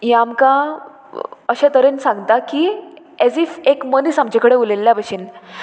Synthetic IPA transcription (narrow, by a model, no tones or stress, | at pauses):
jamkã | əɕãt̪əɾensãŋɡt̪aki | ɛzifekmənisamt͡ɕakəɽeulelːjabəɕin